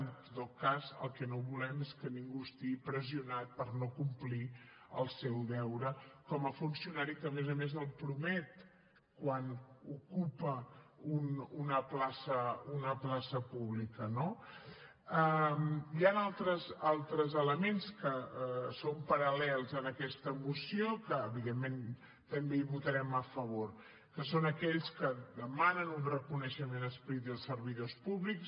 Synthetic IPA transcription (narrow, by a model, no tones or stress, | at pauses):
nt̪t̪ot̚kazə̰lˠkɛnoβulɛmeskəniŋɡuəst̪iɣipɾəziunat̪̚pəɾnokumpli | ə̰lˠsɛwðɛwɾəkɔməfunsiunaɾikəːmezəmezəlˠpɾumɛt̪ | kwanukupəununəplasəunəplasəpuβlikəno | əmianalˠt̪ɾəzalˠt̪ɾəzələmenskəsompəɾəlɛlˠzənəkɛst̪əmusiokəːβiðemːen | t̪əmbeiβut̪əɾɛməfəβoɾ | kəsonəkɛʎskəd̪əmanənunrəkunəʃəmenəspɾit̪̚d̪əlˠsːəɾβiðospuβliks